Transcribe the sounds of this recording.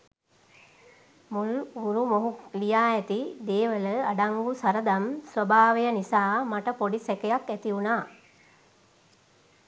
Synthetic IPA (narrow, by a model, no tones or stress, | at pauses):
mulɡuɾumoɦulijaːɛt̪id̪eːʋələaɖaŋɡusaɾəd̪amsʋəbaːʋejənisaːmaʈəpoɖisɛkejakæt̪iunaː